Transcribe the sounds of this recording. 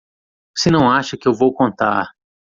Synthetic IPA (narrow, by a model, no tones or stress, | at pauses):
sɪnɐ̃w̃aʃɐkɪewvowkõnt̪a̰ɾ